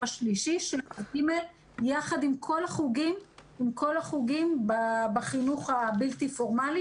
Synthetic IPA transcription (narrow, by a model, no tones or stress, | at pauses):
aʃliʃiʃelaɡimel | jaχadimkʰo̞laχuɡimimkʰo̞laχuɡimbabaχinuχabiltifoʁmali